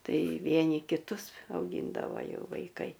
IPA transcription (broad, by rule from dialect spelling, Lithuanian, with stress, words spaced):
ˈtɐɪ ˈʋʲiɛnʲɪ kʲɪˈtʊs ɐʊˈɡʲiːndɐʋoː ˈjɛʊ ʋɐɪˈkɐɪ